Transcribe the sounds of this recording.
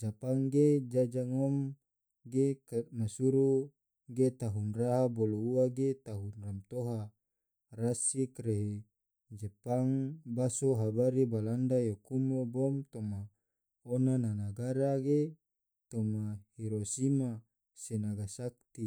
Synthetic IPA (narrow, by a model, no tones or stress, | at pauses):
d͡ʒapaŋɡed͡ʒad͡ʒaŋɔm | ɡeknasuɾu | ɡet̪aɦunraɦabolouaɡet̪aɦunramt̪oɦa | rasikɾeɦe | d͡ʒapaŋbasoɦabaɾibalandajokumobɔmt̪oma | onananaɡaɾaɡe | t̪omahiɾosima | senaɡasak̚t̪i